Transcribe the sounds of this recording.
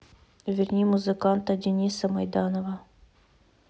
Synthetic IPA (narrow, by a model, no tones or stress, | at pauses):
vʲɪrʲnʲimuzɨkɑnt̪ɐdʲɪnʲisɐmɐjd̪ɑnovɐ